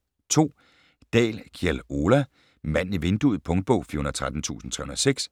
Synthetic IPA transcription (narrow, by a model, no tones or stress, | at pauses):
t͡sʰo̝̰ː | d̥ɛ̰ːlkʰiɛlo̝læ | mæn̰niʋe̝nd̥uð̩ˠpʰɔ̽ŋd̥̚b̥ɔʊ̰fḭɐhun̩ɐt͡sʰʁad̥n̩t͡sʰṵːsn̩t͡sʰʁɛhunɐseɡ̥s